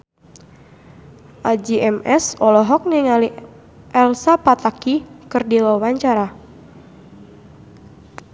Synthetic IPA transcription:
ʔad͡ʒiʔɛmʔɛsɔlɔɦɔk̚niŋali | ʔɛlsapat̪akikɨrdiwawaɲt͡ʃaɾa

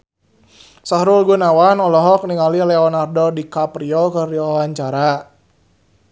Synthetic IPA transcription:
saɾulɡunawanɔlɔɦɔk̚niŋalilɛɔnardɔdikapɾiɔkərdiwawaɲt͡ʃaɾa

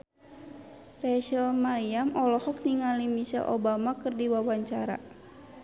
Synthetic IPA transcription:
rɛʃəlmaliamɔlɔhɔk̚niŋalimiʃɛ̰lʔo̰bamakɨrdiwawaɲt͡ʃaɾa̰

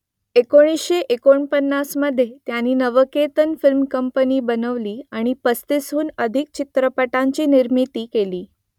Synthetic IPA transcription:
ekoɽ̃isɕeʔekoɳpənːasməd̪ʱːjet̪janiːnəʋəket̪ənfilmkəmpəniːbənəʋliːaɽ̃ipəst̪isɦuːnəd̪ʱik̚t͡ɕit̪ɾəpəʈaɲt͡ɕiːniɾmit̪iːkeliː

